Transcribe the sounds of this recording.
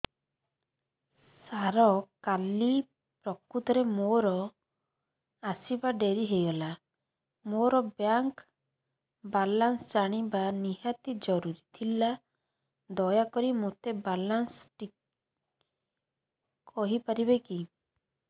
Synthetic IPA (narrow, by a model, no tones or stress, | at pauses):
saɾɔkali | pɾɔkut̪ɔɾemoɾɔ | asibaɖeɾiɦejɡɔla | moɾɔbjaŋk | balansd͡ʒaɽ̃ibaniɦat̪id͡ʒɔɾuɾit̪ʰila | d̪ɔjakɔɾimot̪ebalansʈi | kʰɔɦipaɾibeki